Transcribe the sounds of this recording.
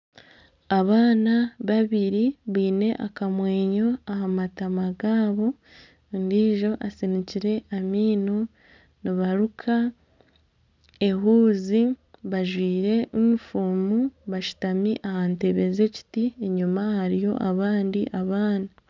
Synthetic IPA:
aβaːnaβaβiɾiβwiːne̞ʔakamwe̞ːɲo̞ahamatamaɡaːβo̞ | ndiːʒo̞ʔasiniciɾe̞amiːno | niβaɾukʰa | e̞ɦuːziβaʒwiːɾe̞ʔumufuːmuβaʃu̥tamiʔahante̞βe̞ze̞ci̥tieɲumahaɾijo̞̰ʔaβaːndiʔaβaːna

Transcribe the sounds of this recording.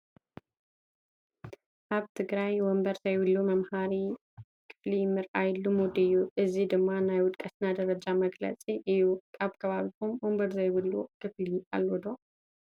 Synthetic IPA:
ʔaβt̪ʰɨɡɾajwɔmbəɾzajwɨlːumɐmhaɾi | kʰɨ̥flimɨɾʔajɪlːumod̪ɨjːuʔɨzid̪ɨmːanajwʊt̪ʼkʼɐsnad̪ɐɾɐd͡ʒamɐɡlɐ̰t͡sʼiʔɨjukʼaβkʰəβaβihumwɔmbəɾzajβɨlːukʰɨflialːod̪o

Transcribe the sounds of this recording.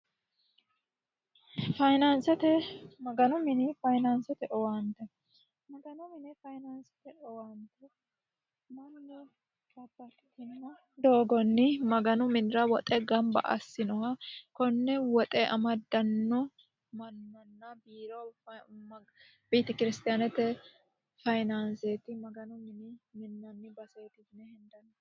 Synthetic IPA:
fɐjnansɛt̪ɛmɐɡɐnʊmɪnɪfɐjnansɛt̪ɛʔɔwɐnt̪ɛ | mɐɡɐnʊmɪnɛfɐjnansɛ̥t̪ɛʔɔwɐnt̪ɛ | mɐnːɛ | kɐbːɐtt̪ːɪnːɐ | d̪oːɡɔnːɪmɐɡɐnʊmɪnɪɾɐwɔt̪ʼɛɡɐmbɐ̰ʔɐ̰sːɪnɔhɐkɔnːɛwɔt̪ʼɛʔɐmɐd̪ɐnːɔ | mɐnːɐnːɐbiːɾo | biːt̪ɛkɪɾɪst̪ɪjanɛt̪ːɛ | fɐjnanset̪ɪmɐɡɐnʊmɪnɪmɪnːɐnːɪbɐseːt̪ɪɪnɛhɛnd̪ɐnː

